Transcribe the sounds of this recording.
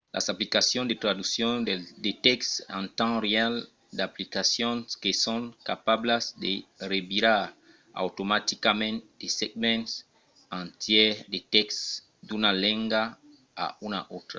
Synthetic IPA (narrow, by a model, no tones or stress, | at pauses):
lʔa̰saplikasjɔ̃nd̪et̪ɾad̪usjɔ̃nd̪et̪ɛkstãnt̪ãreal | d̪aplikasjɔ̃nskesɔ̃ŋkapablasd̪erebiɾaɾ | a̰wtomat̪ikamɛ̃nt̪̚d̪eseɡ̚mɛ̃nts | ãnt̪jɛd̪et̪ɛks | d̪unalɛ̃ŋɡa | a̰una̰ʔot̪ɾa